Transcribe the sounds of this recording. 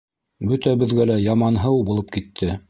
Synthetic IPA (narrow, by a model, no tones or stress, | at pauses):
bɵt̪æbɘ̆ðɡælæjɑmɑnɦɤwbulˠɤp̚kit̪ʰːɘ